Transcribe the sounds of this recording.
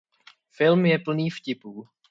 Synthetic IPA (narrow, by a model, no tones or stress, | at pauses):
fɪlmjɛpl̩niːfcɪpuː